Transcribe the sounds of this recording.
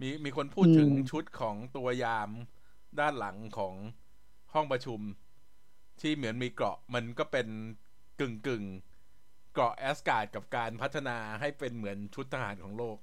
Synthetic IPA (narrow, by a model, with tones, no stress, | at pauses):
miː˧miː˧kʰo˧npʰuː˥˩t̪ʰːɯ˨˩˦ŋt͡ɕʰu˦˥t̪̚kʰɔː˩˦ŋt̪u˧ɐjaː˧m | daː˥˩nla˩˦ŋkʰɔː˩˦ŋ | hɔ˥˩ŋpɾa˧t͡ɕʰu˧m | t̪ʰiː˥˩mɯ˩˦ənmiː˧kɾɔ̰˨˩ʔma˧nkɔː˥˩pe˧n | kɯ˨˩ŋkɯ˨˩ŋ | klɔ˨˩ʔʔɛː˦˥skaː˨˩t̪̚ka˨˩p̚kaː˧npʰa˦˥t̪ʰːa˧naː˧ɦa˥˩jpe˧nmɯ˩˦ənt͡ɕʰu˦˥t̪ʰːa˧ɦaː˩˦nkʰɔː˩˦ŋloː˥˩k̚